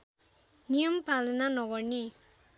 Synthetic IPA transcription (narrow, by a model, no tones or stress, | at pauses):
nijəmpalnanɔɡɔɹni